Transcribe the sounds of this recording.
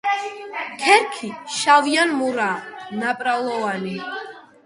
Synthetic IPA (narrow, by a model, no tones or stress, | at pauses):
kʰɛɾkʰiʃavianmuɾaːnapʼɾalˠɔvani